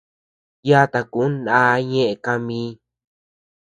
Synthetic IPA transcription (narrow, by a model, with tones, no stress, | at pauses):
ja˦t̪a˧ku˨˦nã˦ɲẽ˦ʔe˧˨ka˧mĩː˧˦